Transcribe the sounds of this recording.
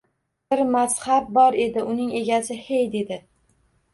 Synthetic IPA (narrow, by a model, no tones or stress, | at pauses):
bɪɾmashab̚bɒɾe̞d̪ɪʔʊnɪŋe̞ɡʲasɪhejd̪e̞d̪ɪ